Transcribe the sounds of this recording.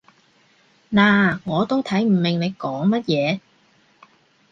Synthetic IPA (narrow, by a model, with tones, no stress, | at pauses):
naː˨˩ŋɔː˨˧t̪o˥wt̪ʰɐ˨˥jm̩˨˩mɪ˨˩ŋle˨˧jkɔː˨˥ŋmɐ˥t̚jɛː˨˧